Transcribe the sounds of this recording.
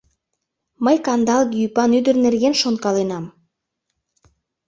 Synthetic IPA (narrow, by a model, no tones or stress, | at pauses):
məjkɑnd̪ɑlˠɣiypɑnyd̪ərnerɣenʃonkɑlenɑm